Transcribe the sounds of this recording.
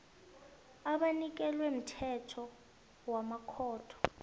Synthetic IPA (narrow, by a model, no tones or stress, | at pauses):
aɓanik̬ɛlwem̩tʰɛtʰɔ | wamakʰɔːtʰɔ̥